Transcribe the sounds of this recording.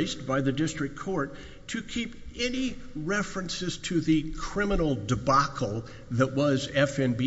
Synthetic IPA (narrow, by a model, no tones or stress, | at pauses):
ɪst̚b̥aɪðɨdɪstɹ̥ɨk̚kʰɔɹtʰ | ɨkʰipɛniɹɛfɹɨ̃nsɨz̥tʰɨðɨkʰɹ̥ɪ̃mənl̩ˠdɨbɑkʰl̩ˠ | ðəʔ̚wʌzɛfɛ̃nbi